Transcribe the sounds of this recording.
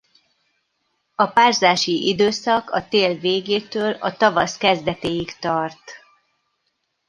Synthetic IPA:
ɒpaːrzaːʃiʔid̪øːsɒkʰɒt̪eːlveːɡeːt̪øːlɒt̪ɒvɒskɛzd̪ɛt̪eːjikt̪ɒrt̪

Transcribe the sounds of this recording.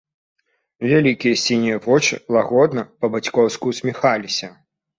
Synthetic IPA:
vʲalʲikʲijɐsʲinʲijɐvɔt͡ʂɨ̰lˠaɣɔd̪nɐpɐbat͡sʲkɔwskusʲmʲixalʲisʲɐ

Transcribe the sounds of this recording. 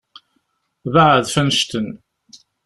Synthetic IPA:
vaʕəðfænʃt̪ən

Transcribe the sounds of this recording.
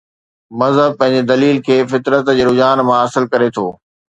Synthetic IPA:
mɐzɦəb̚pɐ̃ɦɪ̃ɲ̆d͡ʑed̪ɐliːlkʰeːfɪt̪ɾət̪d͡ʑeːɾʊd͡ʑaːnmãɐsəlkɐɾet̪ʰo̰ː

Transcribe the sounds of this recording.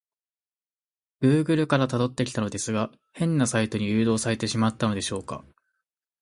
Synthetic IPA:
ɡ̥ɯ̟ːɡɯ̟ɾɯ̟kaɾat̪ad̪o̞t̪ːe̞kʲi̥t̪ano̞d̪e̞sɨɡa | hẽ̞nːasait̪o̞ɲ̟ijɯ̟ːd̪o̞ːsaɾe̞t̪e̞ɕimat̪ːano̞d̪e̞ɕo̞ːka̰

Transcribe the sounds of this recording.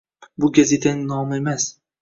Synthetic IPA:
bʊɡʲazet̪ʰanɪnɒmemas

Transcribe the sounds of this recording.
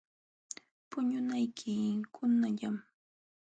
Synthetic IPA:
pʊɲʊnajkʰɪkʰʊnaʎam

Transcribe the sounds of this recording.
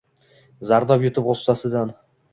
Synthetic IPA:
zaɾd̪ɒpjʊt̪ʰɪpost̪asɪd̪an

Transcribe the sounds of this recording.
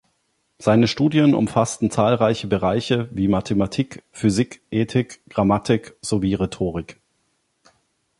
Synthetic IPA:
z̥aɪnəʃtuːdjənʊ̰mfastn̩t͡saːlʁaɪçəbəʁaɪçəviːmatʰematʰiːkfyzɪkʔeːtʰɪkɡ̥ʁamatʰɪkz̥oviːʁetʰoːʁ̞ɪk

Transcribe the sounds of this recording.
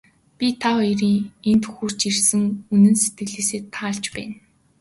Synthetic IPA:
pʲit̪ʰaɔjɾiːŋent̪ʰɵxuːr̥t͡ɕirsɘ̆ŋunɘ̆nset̪ɡɘ̆ɮeːseːt̪ʰːaːɮt͡ɕpæ̰ːn

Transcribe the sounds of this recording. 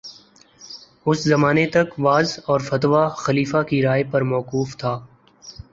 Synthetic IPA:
ʊszɐmaːnet̪ɐkʋaːzɔːɾfɐt̪ʋaxɐliːfakiɾaːjpɐɾmɔːquːft̪ʰaː

